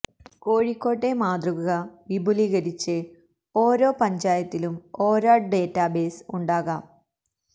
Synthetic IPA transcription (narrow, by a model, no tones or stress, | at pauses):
koːɻikʲːo̞ːʈːe̞maːd̪ruɣɐɣɐʋibʱuliɣɐɾit͡ɕːɨ | o̞ːɾo̞ːpɐɲd͡ʑaːjɐt̪ːilumo̞ːɾaːɖeːtːabe̞ːsuɳɖaːɣaːm